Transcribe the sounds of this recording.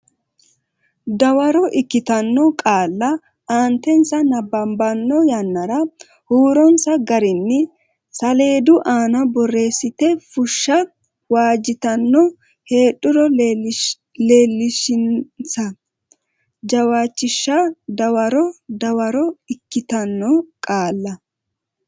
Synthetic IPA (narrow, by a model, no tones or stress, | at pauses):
d̪ɐwɐɾɔʔɪkːɪt̪ɐnːɔkʼaːlːɐ | aːnt̪ɛnsɐnɐbːɐmbɐnːɔjɐnːɐɾɐ | huːɾɔnsɐɡɐɾɪnːɪ | sɐle̞ːd̪ʊʔaːnɐbɔrːe̞ːsːɪt̪ɛfʊʃːɐ | waːd͡ʒɪt̪ɐnːɔ | he̞ːɗːʊɾɔ | le̞ːlːɪʃɪnsɐ | d͡ʒɐwaːt͡ʃːɪʃːɐd̪ɐwɐɾɔd̪ɐwɐɾɔɪkːɪt̪ɐnːɔkʼaːlːɐ